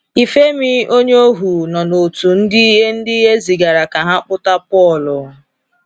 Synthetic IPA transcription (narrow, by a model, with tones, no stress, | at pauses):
i˨fe˦mi˦o˦ɲe˦o˦ɦu˨nɔ˨no˨tu˨n̩˦dɪ˦i˦ɦe˦n̩˦dɪ˦i˦ɦe˦zi˨ɡa˨ɾa˨ka˨ɦa˦k͡pʊ˦ta˦pɔ˦˨lʊ˨